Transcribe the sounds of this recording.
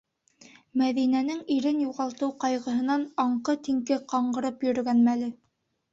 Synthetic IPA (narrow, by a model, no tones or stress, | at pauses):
mæðinænɘŋiɾɘnjuʁɑlˠt̪ɤwqɑjʁɤ̆ɦɤ̆nɑnɑɴqɤt̪iŋkɘqɑɴɢɤ̆ɾɤpjɵ̆ɾɵ̆ɡænmælɘ